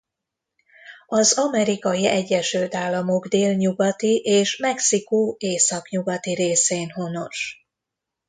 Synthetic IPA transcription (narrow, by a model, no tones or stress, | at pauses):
ɒzɒmɛɾikɒjiɛɟːɛʃylt̪aːlːɒmo̞ɡd̪eːlɲuɡɒt̪iʔeːʃmɛksikueːsɒkɲuɡɒt̪iɾeːseːnɦo̞no̞ʃ